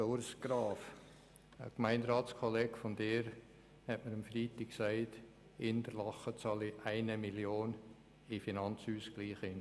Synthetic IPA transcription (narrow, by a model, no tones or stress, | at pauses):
ʊɾsɡ̥ɾɑːf | ə̰kmæɪnɾɑːtskʰɔleːɡ̥fɔnd̥eːɾ | hɛtməɾɑmfɾiːtɪkksæɪt | ɪndəɾlɑχət͡sɑliʔæɪnəmiljoːn | ɪfinɑnt͡shyːsɡ̥liːχɪn